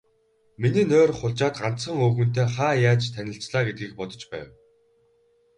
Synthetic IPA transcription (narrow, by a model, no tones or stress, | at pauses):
miniːnoːrχʊɮt͡ɕaːt̪ɢan̥t̪sə̆ŋɵːɣɵ̆n̥t̪eːχaːjaːt͡ɕt̪ʰænʲɪ̆ɬt͡sɮaːɡet̪̚ɡiːk̚pɔt̪ɞ̥̆t͡ɕpæ̰ːw